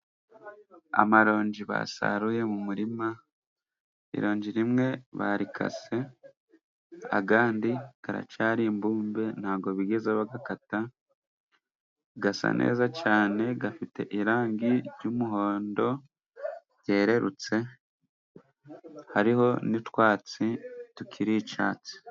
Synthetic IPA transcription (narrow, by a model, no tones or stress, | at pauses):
a̰maɾo̞ːɲɟiβa̰sa̰ɾuje̞mumuɾima | ḭɾo̞ːɲɟiɾimŋe̞βa̰ɾikʰa̰se̞ | a̰ɡaːndiɡ̥aɾa̰caːɾimbuːmbe̞n̥haːɡo̞βiɡe̞zeβaɡakata | ɡasa̰nʔḛːzacaːne̞ɡafite̞̰ʔiɾaːŋɡiɾɟumuɦo̞ːndo̞ | ɟe̞ːɾe̞ɾut͡se̞ | haɾiho̞nitwaːt͡situkʰiɾit͡ʃaːt͡si̥